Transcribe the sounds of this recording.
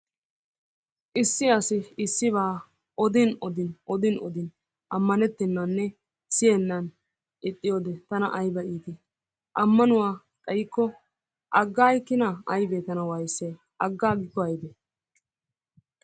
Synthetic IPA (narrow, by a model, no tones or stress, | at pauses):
ʔɪsːɪɐsɪːsːɪβaː | ʔɔd̪ɪnɔd̪ɪnʔɔd̪ɪnɔ̰d̪ɪn | ʔɐmːɐnɛt̪ːɪnːanːɛ | sɪjɛnːɐn | ʔɪt̪ʼːɪjoːd̪ɛt̪ɐnɐʔɐjbɐʔiːt̪ɪ | ʔɐmːɐnʊwaː | kʼɐjkːɔ | ʔɐɡːaːjkːɪnaɐjbeːt̪ɐnɐwajsːe | ɐɡːaːɡɪkːɔɐjb̪ɛ